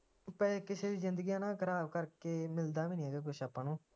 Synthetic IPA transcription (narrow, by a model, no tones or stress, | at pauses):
pɛːkɪseːd̪iːzɪnd̪əɡiːjãːnãːkəɾaːbkəɾkeːmɪld̪aːʋiːnĩɛːɡeːk̬ʊʃʰaːpːãːnũː